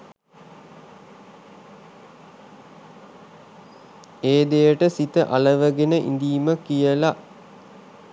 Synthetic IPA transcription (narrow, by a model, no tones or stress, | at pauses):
eːd̪ejəʈəsit̪əʔaləʋəɡenəʔḭnd̪iːməkijəla